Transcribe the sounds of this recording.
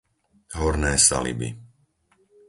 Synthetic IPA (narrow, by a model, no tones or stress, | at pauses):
ɦɔɾnɛːsa̰lḭbḭ